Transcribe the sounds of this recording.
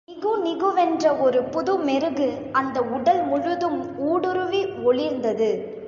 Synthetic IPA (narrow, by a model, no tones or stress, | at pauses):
nɪɣɯnɪɣɯʋɛndrɐɔɾɯpʊðɯmɛɾɯɣɯ | ɐnd̪ɐʊɽɐlmʊɻɯðɯmuːɽɯɾɯʋiɔɭɪɾnd̪ɐðɯ